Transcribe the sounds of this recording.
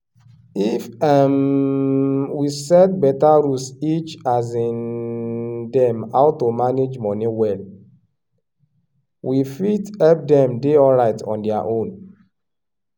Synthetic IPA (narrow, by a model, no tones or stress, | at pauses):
ifɛm | wisɛt̚bɛtaɾusit͡ʃazĩn | dɛ̃ma̰ʊtomaned͡ʒmɔ̃niwɛl | wifitɛp̚dɛ̃mdeɔlɾaɪtɔ̰̃ndɛaʔõn